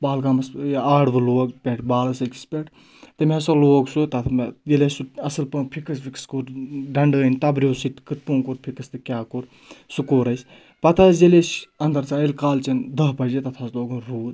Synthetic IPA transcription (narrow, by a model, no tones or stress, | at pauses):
baːlɡaːmɐsaːɽʋɨloːɡpʲeʈʰbaːlɐsɐkʲi̥spʲeʈʰ | t̪ɨmesɐloːɡsut̪ɐt̪ʰmjelʲesuɐsɨlpɐːpʰikʰɐs̬bʲikskoɾɖɐɳɖəːnʲt̪ɐbɾʲjoːsiʈkɨt̪̚puːnkoɾpʰikɐst̪ɨkʲaːkoɾ | sukoɾɐsʲ | pɐt̪ʰajeleʃɐnd̪ɐɾt͡saːilkaːlt͡ʃind̪ɐɦpɐd͡ʒit̪ɐt̪ʰaːsloːɡunɾuːd